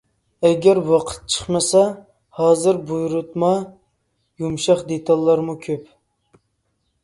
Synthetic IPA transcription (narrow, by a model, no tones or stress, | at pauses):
ɛɡʲæɾwɑqʰə̥t̪̚t͡ʃʰə̥χmɨsɑ | hɑːzɨɾbujɾut̪mɑ | jumʃɑχd̪et̪ʰɑlˠːɑɾmukʲʰøp